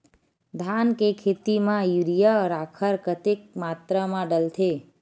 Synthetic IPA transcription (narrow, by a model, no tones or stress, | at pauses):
d̪ʱankekʰet̪imãjuɾijəɾakʰəɾkət̪ek̚mat̪ɾəmãɖəlt̪ʰe